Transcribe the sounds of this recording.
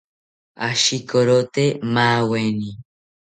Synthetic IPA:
aʃikoɾot̪emaːweni

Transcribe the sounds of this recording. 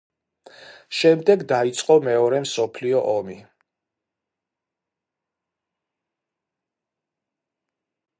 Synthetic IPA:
ʃɛmd̪ɛɡd̪ait̪sʼqʼɔmɛɔɾɛmsɔpʰliɔʔɔmi

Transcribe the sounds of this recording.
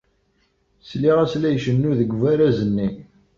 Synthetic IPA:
sliʁæslæjʃənːuðəɡʷvæɾæzənːi

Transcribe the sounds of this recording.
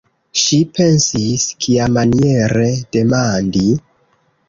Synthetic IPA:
ʃipe̞nsiskʰiamanie̞ɾe̞d̥e̞mandi

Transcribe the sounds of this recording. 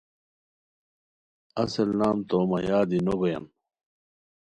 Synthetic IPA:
ɐsɐlnaːmt̪oːmɐjaːd̪inoɡojɐ̰n

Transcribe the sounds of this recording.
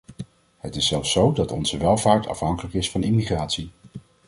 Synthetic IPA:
ɦətɪsɛlˠfsowdɑtɔ̰nzəʋɛlˠvaːɹtʰɑ̰fɦɑŋkələkɪsfɑnimiχraːtsi

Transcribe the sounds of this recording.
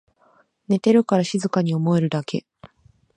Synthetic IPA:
ne̞t̪e̞ɾɯ̟kaɾaɕizɨkaɲ̟io̞mo̞e̞ɾɯ̟d̪akʰe̞̰

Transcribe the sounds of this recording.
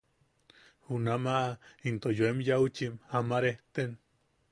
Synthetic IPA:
hunamaʔint̪ojoemjaut͡ʃimamaɾeht̪en

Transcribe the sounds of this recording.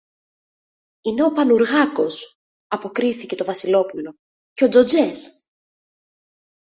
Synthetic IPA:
ine̞o̞pɐnuɾɣɐko̞s | ɐpo̞kɾiθice̞t̪o̞vɐsilo̞pulo̞ | ceo̞d͡zo̞d͡ze̞s

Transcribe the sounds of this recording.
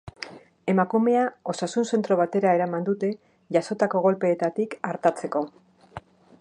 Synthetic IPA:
e̞makume̞ao̞sasunse̞nt̪ɾo̞βat̪e̞ɾaeɾamand̪ut̪e̞ | ʝaso̞t̪ako̞ɣ̞o̞lpe̞ːt̪at̪ikaɾt̪at͡se̞ko̞

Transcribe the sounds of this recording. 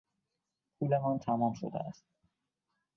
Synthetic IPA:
pʰuːlemɒnt̪ʰæmɒmʃo̰d̪ḛæst̪̚

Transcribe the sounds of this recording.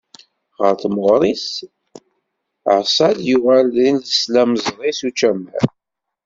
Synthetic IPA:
ʁəɾθməʁɾˤis | ə̰ʕsˤæd̪juʁælinləslæmzˤɾˤisut͡ʃːæmæ̰n

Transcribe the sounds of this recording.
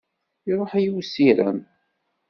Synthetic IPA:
iɾˤoħæjiwsiɾæ̰m

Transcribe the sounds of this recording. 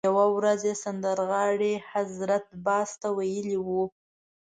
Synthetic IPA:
awawɾazesand̪əɾɣɑɽehazɾat̪̚bɑst̪awajəliwu

